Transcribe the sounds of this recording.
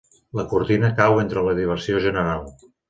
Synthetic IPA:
ləkuɾt̪inəkawent̪ɾələðiβ̞əɾsioʒənəɾalˠ

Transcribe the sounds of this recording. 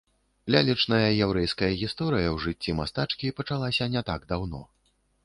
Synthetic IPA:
lʲalʲit͡ʂnɐjɐjɛwɾɛjskɐjɐɣʲist̪ɔɾɨjɐwʐɨt͡sʲːimast̪at͡ʂkʲipɐt͡ʂalˠasʲɐnʲɛt̪aɡd̪awnɔ̰

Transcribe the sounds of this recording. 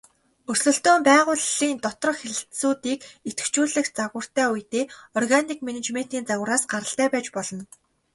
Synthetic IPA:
ɵsɮɵ̆ɬt̪ʊːmpæːʁʊːɮiːnt̪ɔt̪rɞ̆χxeɮɬtsuːt̪iːket̪ɘ̥̆kt͡ɕuːɮɘ̆xt͡saɣə̆r̥t̪æːujt̪eːɔrɣanikmenet͡ɕmen̥t̪iːnt͡saɣə̆ɾaːsɢaɾə̆ɬt̪æːpæːt͡ɕpɔɮɞ̆n

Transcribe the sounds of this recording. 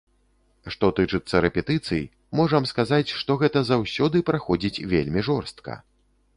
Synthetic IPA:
ʂt̪ɔt̪ɨt͡ʂɨt̪sːɐɾɛpʲɛt̪ɨt̪sɨj | mɔʐɐmskazat͡sʲʂt̪ɔɣɛt̪ɐzawsʲɔd̪ɨpɾaxɔd͡zʲit͡sʲvʲḛlʲmʲiʐɔrst̪̚kɐ̰

